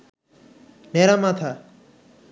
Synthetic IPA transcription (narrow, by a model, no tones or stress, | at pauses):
neɾamat̪ʰa